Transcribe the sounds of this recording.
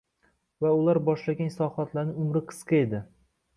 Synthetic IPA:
vaʊlaɾbɒʃlaɡʲansɒχat̪laɾnɪŋʊmɾɪqʰɨ̥sqɑed̪ɪ

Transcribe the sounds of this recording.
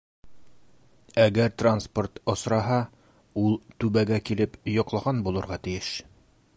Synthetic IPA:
æɡæɾt̪ransport̪ŏsɾɑɦɑ | ulˠt̪ʉβæɡækilɘpjŏqlˠɑʁɑnbulˠɤ̆ɾʁɑt̪ijɘʃ

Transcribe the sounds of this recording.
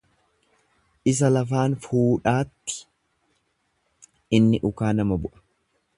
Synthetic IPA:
ʔɪs̬ɐlɐfaːnfuːᶑaːt̪ːɪ̥ | ɪnːɪʔʊkaːnɐmɐbʊʔɐ̥

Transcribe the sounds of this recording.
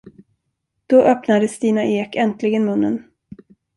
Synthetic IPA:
d̪̥ɔʔœpnad̪əst̪iːnaʔeːkɛnt̪lɪɡənmɵnːən

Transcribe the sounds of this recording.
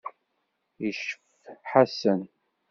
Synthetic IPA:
iʃəf | ħasən

